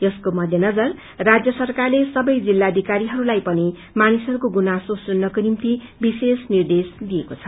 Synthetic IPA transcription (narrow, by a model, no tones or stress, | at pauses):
jʌskomʌd̪ʱjʌnʌd͡zʌr | rad͡zjʌsʌrkarlesʌbʌjd͡zilːad̪ʱikaɾiɦʌɾulajpʌni | manisɦʌɾukoɡunasosʌnːʌkonimt̪i | bisesnird̪esd̪ijekot͡sʰʌ̥